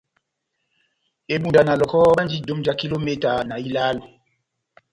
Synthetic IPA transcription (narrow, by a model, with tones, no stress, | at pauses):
e˨ɓu˨nda˨na˨lɔ˨kɔ˦ɓa˦n˦di˦do˨˦md͡ʒa˦ki˦lo˦me˦˨ta˨na˨i˦la˦l